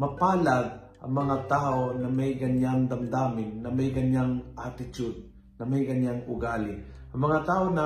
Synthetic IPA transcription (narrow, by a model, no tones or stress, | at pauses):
mɐpaːlaɡ̪̚ʔɐ̰ŋmɐŋat̪aːʔonɐmɛjkɐnjaŋd̪ɐmd̪aːmɪnːɐmɛjkɐɲjaŋʔat̪ɪt͡ʃʊd̪̚ | nɐmɛjkɐɲjaŋʊɡaːlɪ | ʔɐŋmɐŋat̪aːʔonɐ